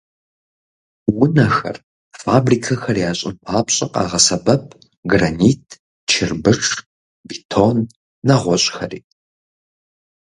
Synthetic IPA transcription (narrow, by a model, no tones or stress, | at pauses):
wʊnɐxɐ̰r | faːbriːkʰɐxɐrjaːɕʼɪ̰mpʰaːpɕʼɐqʼɑ̰ːʁɐsɐbɐp̚ʰ | ɡraniːtʰ | t͡ʃʰɪrbɨʂ | bitʰonː | ɐʁʷɔɕʼxɐrḭː